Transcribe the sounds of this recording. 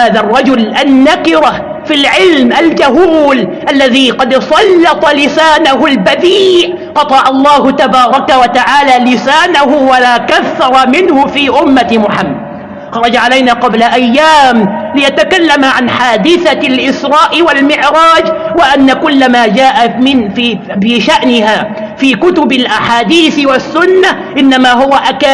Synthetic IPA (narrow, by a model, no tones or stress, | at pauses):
aːðarˤːɑd͡ʒʊlʔanːakɪɾa | filʕɪlmʔald͡ʒahuːlʔalːaðiːqɑd̪sˤɑlːɑt̪ˤɑlɪsaːnaɦʊlbad̪iːʕ | qɑt̪ˤɑʕɑlˤːɑːhʊt̪abɑːɾˤɑkawat̪aʕaːlaːlɪsaːnahʊwalaːkaθːɑɾˤɑmɪnhʊfiːʔʊmːamʊħamːad̪ | xɑɾˤɑd͡ʒaʕalajnaːqɑblaʔajːaːmlɪjat̪akalːamaʕanħaːd̪ɪθalʔɪsɾˤɑːʔɪwalmɪʕɾɑːd͡ʒwɪʔanːakʊlːamaːd͡ʒaːʔamɪnfi | ɪʃaʔnɪhaː | fiːkʊt̪ʊbalʔaħaːd̪iːθwasːʊnːa | ʔɪnːamaːɦʊwaʔaka